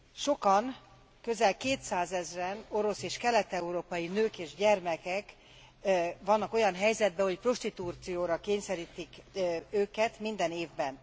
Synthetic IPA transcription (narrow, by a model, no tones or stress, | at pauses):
ʃo̞kɒn | kø̞zɛlkeːt̪saːzɛzrɛno̞ɾo̞seːʃkɛlɛt̪ɛuɾoːpɒjinøːkeːʒɟɛrmɛkɛk | ʋɒnːɒko̞jɒnɦɛjzɛd̪̚bɛɦo̞cpro̞ʃt̪it̪ut̪sijoːɾɒkeːɲsɛɾiːt̪ikøːkɛt̪mind̪ɛneːvbɛn